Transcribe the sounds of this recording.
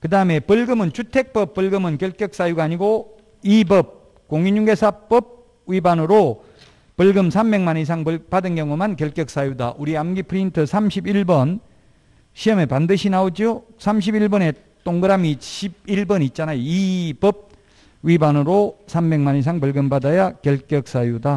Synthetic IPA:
kɯdaɯme̞pɯɭɡɯmɯnt͡ɕʰutʰe̞k̚p͈ʌpp͈ːɯɭɡɯmɯnkjʌɭk͈jʌk̚s͈ajuɡaːɲiɡo | ibʌb̚ | koŋiɲuŋɡe̞sʰap͈ʌb̚ | ɥibanɯɾo | pɯɭɡɯmsʰambe̞ŋmanis̬ʰaŋpɯpadɯnkjʌŋumankjʌɭk͈jʌk̚s͈ajuda̰ʔuɾiamɡipʰɯɾintʰɯsʰamɕʰibiɭbʌn | ɕʰiʌmepandɯɕʰinaod͡ʑjosʰamɕ̬ʰibiɭbʌne̞ | t͈oŋɡɯɾamiɕʰib̚iɭbʌnit̚t͡ɕ͈anajoibʌb̚ | wibanɯɾosʰambe̞ŋmanis̬ʰaŋpɯɭɡɯmbadajakjʌɭk͈jʌk̚s͈ajuda

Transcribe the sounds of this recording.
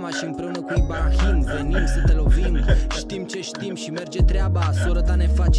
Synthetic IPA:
maʃiɨmpɾe̞unəkujbaxinve̞nimsət̪e̞lo̞vimʃt̪imt͡ʃe̞ʃt̪imʃime̞rd͡ʒe̞t̪ɾeabasoɾət̪ane̞fat͡ʃ

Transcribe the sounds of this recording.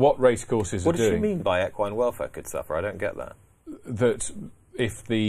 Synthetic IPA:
wɒʔɹeɪskʰɔˑsɪzəwʌd̥dʉɪ̃ŋmĩːnbaɪɛkʰwãɪə̃nwɛlˠfɛ̰kʰɨd̥sʌ̰fə˞aɪɾõʊ̃nɡ̥ɛ̰ʔ̚ðə̰t̚ | ðət | ɪfðɨ

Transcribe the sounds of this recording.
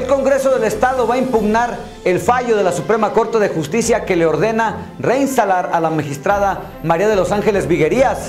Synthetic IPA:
elko̞ŋɡɾe̞so̞ðe̞le̞st̪aðo̞βaimpuɣnaɾ | elfaʝo̞ð̞e̞lasupɾe̞mako̞ɾt̪e̞ðe̞xust̪isjake̞le̞o̞ɾðe̞na | re̞inst̪alaɾalamaxist̪ɾaða | maɾiaðe̞lo̞saŋxe̞le̞zβiɣe̞ɾias

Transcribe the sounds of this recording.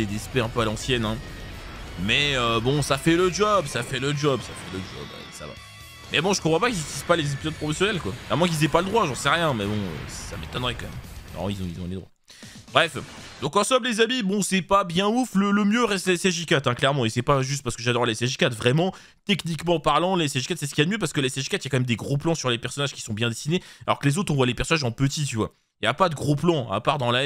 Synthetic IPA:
ed̪ɛspɛɛ̃pøalɑ̃sjɛnɛ̃ | mɛøbɔ̃safɛləd͡ʒɔbsafɛləd͡ʒɔbsafɛləd͡ʒɔ̰ba̰sa̰va̰ | mɛbɔ̃ʒəkɔ̃pχwɔ̃pakizyt̪ispalezepizɔd̪̚pχɔfɔsjɔnɛlkwakɛʁmɑ̃k̬ilzɛpaləd̪ʁwaʒɑ̃sɛʁjɛ̃mɛbɔ̃ø̰ssa̰met̪ɔnʁɛkɑ̃mɛ̰mɛ̰̃izɔ̃izɔ̃led̪ʁwa̰a | bʁɛfd̪ɔ̃kɑ̃sɔmlezamibɔ̃sɛpabjɛ̃uflələmjøʁɛst̪leɛsɛʒikʲat̪ɛ̃klɛʁmɑ̃esɛpaʒys̬t̪̚paʁsə̥kəʒad̪ɔʁleseʒikʲat̪vʁɛmɑ̃ | t̪ɛknikmɑ̃paʁlɑ̃lesɛʒikat̪sɛsə̥kijad̪əmjøp̬aʁsə̥kəlɛsɛʒikʲat̪ijakɑ̃mɛmd̪eɡʁoplɑ̃syʁlepɛʁsɔnaʒkʲi̥sɔ̃bjɛ̃d̪esinealɔ̰ʁkəlezot̪χɔ̃vwalepɛʁsɔnaʒɑ̃pət̪it̪yvwa̰ | ijapad̪əɡʁoplɑ̃a̰paʁd̪ɑ̃la

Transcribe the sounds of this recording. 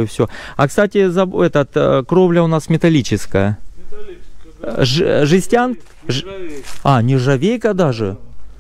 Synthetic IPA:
ʊfsʲoɐkst̪atʲɪzɐbɛt̪ət̪kɾovlʲəʊnasmʲɪt̪ɐlʲit͡ɕɪskəjə | ʐʐɨsʲtʲan | anʲɪʐɐvʲejkəd̪aʐɨ

